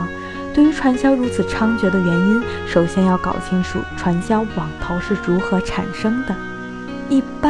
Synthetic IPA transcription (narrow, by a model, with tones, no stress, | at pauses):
t̪we˥˩ɪy˧˥ʈ͡ʂʰwa˧˥nɕjɑ˥ʊɻu˧˥t͡sʰɹ̩˨˩ʈ͡ʂʰɑ˥ŋt͡ɕɥɛ˧˥d̪ə˧ɥɛ˧˥ni˥n | ʂo˨˩ʊɕjɛ˥njɑ˥˩ʊkɑ̰˨˩ʊɕʰi˧˥ŋʂ̩˨˩ʈ͡ʂʰwa˧˥nɕjɑ˥ʊwɑ˨˩ŋt̪ʰo˧˥ʊʂɻ̩˥˩ɻu˧˥xɤ˧˥ʈ͡ʂʰa̰˨˩nʂɤ˥ŋd̪ə˨ | i˥˩p